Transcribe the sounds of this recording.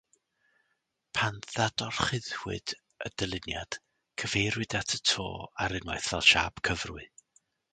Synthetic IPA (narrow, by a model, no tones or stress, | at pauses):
pʰanðadɔrχɪðhwɨ̰d̥ | ə̰d̥əlˠɪnjad̥ | kʰəv̥ejrwɨdatʰə̥tʰo̰ːaɾɪnwajθɔlˠʃaːb̥kʰəvrwɨ